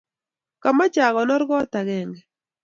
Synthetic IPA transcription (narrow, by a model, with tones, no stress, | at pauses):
ka˨ma˦t͡ʃa˨ɣɔ˨nɔ˦ɾɡɔ˦t̪a˨ɡɛ˨ŋɡɛ˨